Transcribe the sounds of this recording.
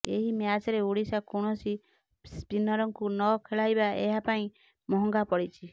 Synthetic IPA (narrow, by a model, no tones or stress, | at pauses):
ḛɦimead͡ʒaɾeoɽisakoɽ̃ɔsi | spinɔɾɔŋkunɔkʰeɭajbaeɦapaĩ | mɔɦɔŋɡapɔɽit͡ʃʰi